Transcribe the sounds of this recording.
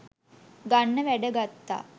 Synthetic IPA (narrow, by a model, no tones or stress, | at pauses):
ɡanːəʋæɖəɡat̪ːa̰ː